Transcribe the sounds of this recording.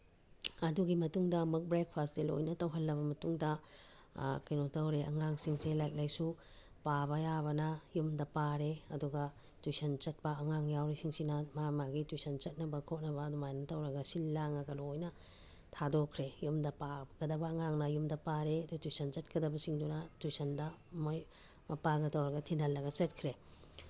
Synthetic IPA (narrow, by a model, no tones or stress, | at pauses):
ɐduɡimɐtuŋdɐmɐk̚bɾek̚pʰasdelo̰jnɐtɐwɦɐlːɐβɐmɐtuŋdɐ | kɐjnotɐwɾeʔɐ̰ŋaŋsiŋselajk̚lajsu | pabɐjaβɐnɐjumdɐpaɾeɐduɡɐ | twusɐnt͡ʃɐt̚pɐɐŋaŋjawɾisiŋsinɐmamaɡitujsɐnt͡ʃɐt̚nɐbɐkʰot̚nɐbɐːdumajnɐtɐwɾɐɡɐsilːaŋɐɡɐlojnɐ | tʰadokʰɾejumdɐpabɡɐdɐbɐːŋaŋnɐjumdɐpaɾeɐduɐtujsɐnt͡ʃɐt̚kʰɐdɐbɐsiŋdunɐtusɐndɐmoj | mɐpaɡɐtɐwɾɐɡɐtʰinɐlːɐɡɐt͡ʃɐt̚kʰɾe